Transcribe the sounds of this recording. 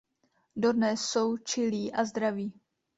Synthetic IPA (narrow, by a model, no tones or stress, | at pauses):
dodnɛsːo̞wt͡ʃɪliːʔazd̪ɾaviː